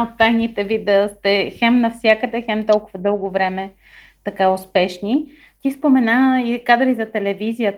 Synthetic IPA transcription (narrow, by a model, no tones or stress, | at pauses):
ot̪t̪ajnit̪ɛvid̪ɐst̪ɛxɛmnɐfsʲjakəd̪ɛxɛmt̪ɔlˠkʊvəd̪ɤlˠɡovɾɛmɛ | t̪ɐkaʊspɛʃni | t̪ispomɛnaikad̪ɾizɐt̪ɛlɛvizijə